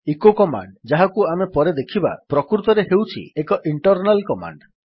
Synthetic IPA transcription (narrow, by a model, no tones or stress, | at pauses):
ikokɔma̰ɳɖd͡ʒaɦakuamepɔɾed̪ekʰiba̰pɾɔkɾut̪ɔɾeɦewt͡ʃʰḭekɔʔiɳʈɔɾnalkɔma̰ɳɖ